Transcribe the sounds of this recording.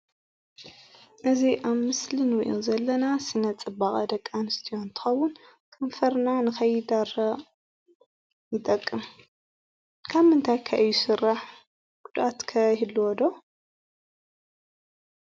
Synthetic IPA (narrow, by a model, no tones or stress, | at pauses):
ʔɨziʔaβmɨslinwḭʔuzɐlːɐnasɨnɐt͡sʼɨbaχʼɐd̪ɐkʼːanɨst̪ʰijo̞nt̪ʰɨ̥xɐwːʊn | kʰɐmfɐɾnanɨxɐjːɪd̪aɾɐ | jɪt̪ʼɐkʼːɨm | kʰaβɨnt̪ʰajkʰaʔɨjːusɨrːaħ | ɡʊd̪ʔat̪kʰɐhɨlːuwɔd̪o